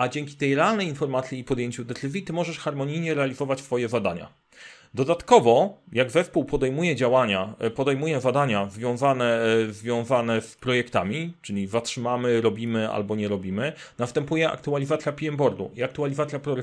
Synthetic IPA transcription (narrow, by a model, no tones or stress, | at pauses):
ʔad͡ʑɛŋkʲit̪ɛjɾɛalnɛjinfɔɾmat̪sʲjiːpɔd̪jeɲt͡ɕud̪ɛt̪ɘzʲjit̪ɘmɔʐɛʂxaɾmɔɲijɲɛɾɛalʲizɔvat͡ɕsfɔjɛzad̪aɲa̰ | d̪ɔd̪at̪kɔvɔjaɡzɛspuwpɔd̪ɛjmujɛd͡ʑawaɲapɔd̪ɛjmujɛzad̪aɲazvʲjɔ̃zanɛzvʲjɔ̃w̃zanɛspɾɔjɛkt̪amʲit͡ʂɘlʲizatʂɘmamɘɾɔbʲimɘa̰lbɔɲɛɾɔbʲimɘ | nast̪ɛmpujɛʔa̰k̚t̪ualʲizat̪sʲjapʲiɛmbɔɾd̪ṵiak̚t̪ualʲizat̪sʲjapɾɔɾ